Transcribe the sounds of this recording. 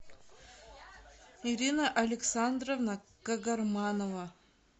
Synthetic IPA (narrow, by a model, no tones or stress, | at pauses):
iɾʲinəʔɐlʲɪksɑnd̪rovnakaɡɐrmɑnova